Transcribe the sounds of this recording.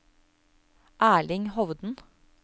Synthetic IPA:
ʔæːɭɪŋhɔʋd̪n̩

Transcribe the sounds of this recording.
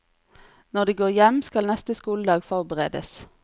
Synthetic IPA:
nɔʁd̪iːɡoːʁjɛmskɑlnɛst̪əskuːld̪ɑːɡfɔʁbəʁḛːd̪ə̰s

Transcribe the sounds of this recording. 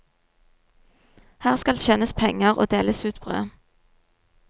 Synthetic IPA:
hæːʁskɑlçɛnəspʰɛŋəʁo̰ːd̪eːləsʉːt̪b̥ʁø̰ːə

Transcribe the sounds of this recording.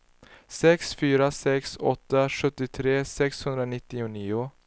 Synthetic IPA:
sɛksfyːɾasɛksɔ̰t̪ːaɧɵt̪ːɪt̪ʰɾeːsɛkshɵnd̪ɾanɪt̪ːɪʊniːʊ

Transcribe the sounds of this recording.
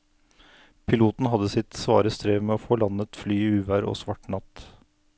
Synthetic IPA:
pʰɪluːt̪n̩ɦɑd̪əsɪt̪sʋɑːɾəst̪ɾeːʋmɛːoːfoːlɑnət̪flyːiʉːʋæɾo̰ːsʋɑʈɳɑt̪

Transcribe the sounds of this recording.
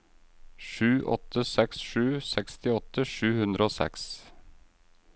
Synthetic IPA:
ʂʉːʔɔ̰t̪ʰːəsɛksʃʉːsɛkst̪ɪɔt̪ːəʂʉːhʉnd̪ɾʔəoːsɛ̰ks

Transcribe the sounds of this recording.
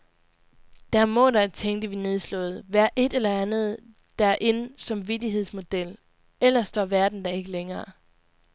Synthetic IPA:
d̥æɐmɔ̽ɾ̥ɑ̈t͡sʰeŋ̰d̥əʋine̝ð̞ˠslɔ̰̽ːð̞̩ˠʋæɐ̰ʔe̝d̥elɐænð̞̩ˠ | d̥æɐʔe̝nsɑ̈mʋidiɦe̝ð̞̰ˠsmo̝d̥el̰ | el̰ɐsd̥ɒʋæɐd̥n̩d̥ɑ̈e̝ɡ̥əleŋɐː

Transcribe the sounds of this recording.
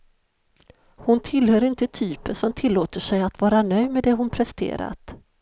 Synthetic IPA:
hʊnt̪ʰɪlːhœːɾɪnt̪ət̪ʰyːpəʂɔmt̪ʰɪlːoːt̪əʂɛjat̪vɑːɾanœjd̪mɛd̪ɛɦʊnpʰɾɛst̪ʰḛːɾa̰t̪

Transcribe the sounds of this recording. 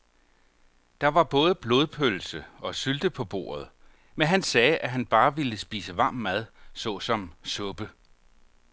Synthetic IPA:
d̥ɑ̈ʋɑ̈b̥ɔ̽ːð̞ˠəb̥lo̝ð̞ˠpʰøl̩səɒ̽syld̥əpʰɒ̽b̥o̝̰ːɐð̞̩ˠ | menɦænsɛːʔæɦænb̥ɑ̈ːʋiləsb̥iːsəʋɑ̈mæð̞ˠsɔ̽sɒ̽msɔ̽b̥ə

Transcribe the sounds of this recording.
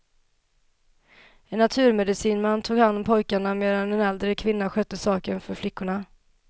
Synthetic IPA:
ɛnːat̪ʰʉ̟ːɾmɛd̪ɪsiːnmant̪ʰuːɡhanːɔmpʰɔjkaɳameːd̪anɛnɛld̪ɾəkʰvɪnːaɧœt̪ːəsɑːkənfœɾflɪkːʊɳa

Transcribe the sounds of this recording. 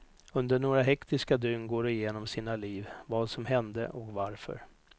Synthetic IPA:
ɵnd̪əɳoːɾaɦɛkt̪ɪskad̪ʏnɡoːɾɪjeːnɔmsiːnaliːvvɑːd̪sɔmɦɛnd̪ə̰ʔɔkvaɾfœ̰ɾ

